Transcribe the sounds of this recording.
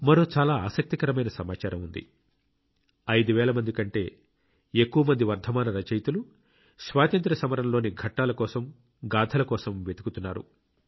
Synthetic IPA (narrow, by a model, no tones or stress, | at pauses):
mɐɾoːt͡ʃaːlaːaːsɐk̚t̪ikɐɾɐmɐjnɐsɐmaːt͡ʃaːɾɐmund̪ḭ | ɐjd̪uʋɛːlɐmɐnd̪ikɐɳʈe̞ː | ekːuʋɐmɐnd̪iʋɐɾd̪ʱɐmaːnɐɾɐt͡ʃɐjt̪ulu | sʋaːt̪ɐnt̪ɾɐsɐmɐɾɐnlo̞ːniɡʱɐʈːaːlɐkɔːsɐm | ɡaːd̪ʰʱɐlɐkɔːsɐmʋe̞t̪u̥kut̪unːaːɾṵ